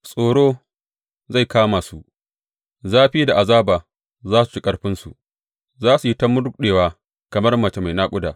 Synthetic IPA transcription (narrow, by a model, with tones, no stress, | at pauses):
sʼoː˨ɽoː˦ | za˦˨jkaː˦maː˨su˨ʔ | zaː˦ɸiː˦da˨ʔa˨zaː˦baː˨ | zaː˦su̥˨t͡ʃi˦kʼɐ˦ɽɸɪ˦nsṵ˨ | zaː˦su˨ji˦tɐ˦mʊ˦dʊ˦k̚ɗeː˨waː˦ | kɐ˨mɐ˦rmɐ˨t͡ʃe˨ma˨jnaː˦kʷʼʊ˦daː˨